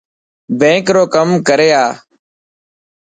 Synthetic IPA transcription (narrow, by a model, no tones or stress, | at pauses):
bẽːŋkɾoːkəmkəɾeːaː